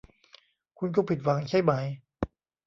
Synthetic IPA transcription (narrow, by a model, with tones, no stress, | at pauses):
kʰu˧nk̬ɔ˥˩pʰi˨˩t̪̚wa˨˩˦ŋt͡ɕʰa˥˩jma˩˦j